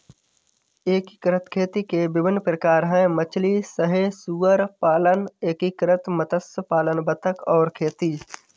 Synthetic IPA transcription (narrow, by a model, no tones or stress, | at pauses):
eːkikɾət̪kʰeːt̪ikebɪbɪnːpɾəkaːɾɦɛ̃ːmət͡ʃʰlisəɦesuːəɾpaːləneːkikɾət̪mət̪əspaːlənbət̪ʰəkɔːɾkʰeːt̪iː